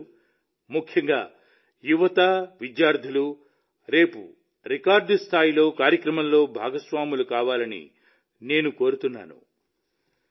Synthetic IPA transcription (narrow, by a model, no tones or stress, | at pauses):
mukʰjɐŋɡaː | juʋɐt̪aʋid̪jaːɾd̪ʱilu | ɾe̞ːpṵ | ɾikaːɾɖst̪ʰaːjilo̞ːkaːɾjɐkɾɐmɐmlo̞ːbʱa̰ːɡɐsʋaːmulukaːʋaːlɐnḭ | ne̞ːnuko̞ːɾut̪unːa̰ːnṵ